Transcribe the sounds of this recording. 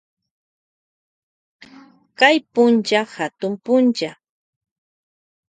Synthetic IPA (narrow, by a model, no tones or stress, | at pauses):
kajpʊnt͡ʃahat̪ʊmpʊnt͡ʃa